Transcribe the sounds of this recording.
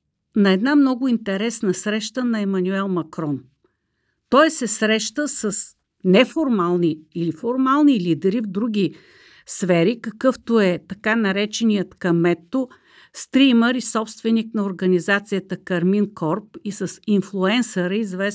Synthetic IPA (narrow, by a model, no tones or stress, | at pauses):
nɐɛd̪namnɔɡʊint̪ɛɾɛsnəsɾɛʃt̪ənɐɛmɐnuɛlˠmɐkɾɔn | t̪ɔjsɛsɾɛʃt̪əsəs | nɛfoɾmalˠniːlifoɾmalˠnilid̪ɛɾivd̪ɾuɡ̟ʲi | sfɛɾikɐkɤft̪oɛt̪ɐkanɐɾɛt͡ʃɛnijət̪kɐmɛt̪ːo | st̪ɾiməɾisɔpst̪vɛniknɐoɾɡənizat̪sijət̪əkɐɾminkɔɾpisəsinflˠuɛnsəɾəizvɛ